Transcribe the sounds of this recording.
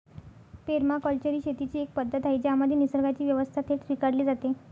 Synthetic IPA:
peɾmakɔlt͡ɕəɾiːɕet̪it͡ɕiːek̚pəd̪ʱːət̪ɦajd͡ʑaməd̪ʱjenisəɾɡʱat͡ɕiːʋjəʋəst̪ʰat̪esʋikaɽliːd͡zat̪e

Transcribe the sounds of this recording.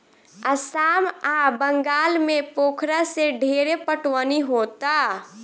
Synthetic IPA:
əsaːmabəŋɡaːlmepoːkʰɾaseɖʱeːɾepəʈwəniɦoːt̪a

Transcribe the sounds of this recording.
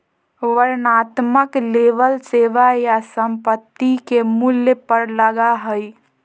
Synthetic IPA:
ʋəɾnat̪məkleʋəlseʋajasəmpət̪ːikemuljəpəɾləɡaɦəj

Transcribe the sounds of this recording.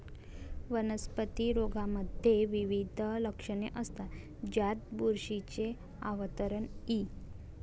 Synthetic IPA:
ʋənəspət̪iɾoɡaməd̪ʱːjeʋiʋid̪ʱələkʂəɳeʔəst̪a | d͡ʑat̪̚buɾʂit͡ɕe | aʋət̪əɾəɳi

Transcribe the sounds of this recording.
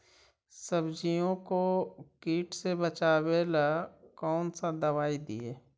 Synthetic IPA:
səbd͡ʒijõkokiːʈsebət͡ʃaːwelakɔːnsad̪ɐβaːid̪ḭeː

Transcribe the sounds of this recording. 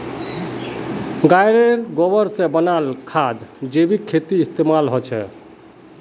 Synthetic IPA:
ɡajɾeɾɡobəɾsẽbənalkʰad̪d͡ʒebʱikʰːet̪iːst̪emalɦot͡ʃʰɛ̰

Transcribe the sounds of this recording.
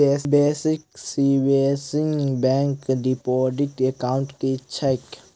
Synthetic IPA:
eːbeːsɪksibesɪ̃ŋɡbɛ̃ːŋkɖipɔːɖɪʈekaːʊ̃ɳʈket͡ʃːʰaɪk

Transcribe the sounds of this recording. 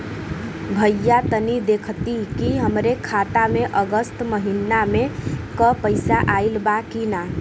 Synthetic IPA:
bʱəjːat̪ənid̪ekʰt̪ikiɦəmɾekʰat̪ameʔəɡəst̪məɦinamekəpəɪsaʔailbakina

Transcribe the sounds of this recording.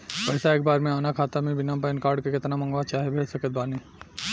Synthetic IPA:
pɛːsaeːk̚baːɾmẽaːnakʰaːt̪amẽbɪnap̬ɛːnkaːɾɖkekɪt̪namɐ̃ŋɡʋat͡ʃaːɦebʱeːlsɐkət̪̚baːniː

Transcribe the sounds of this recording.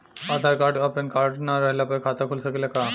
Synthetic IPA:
ad̪ʱaɾkaʈapənkaɾʈnaɾəɦlapajkʰat̪akʰulsəklaka

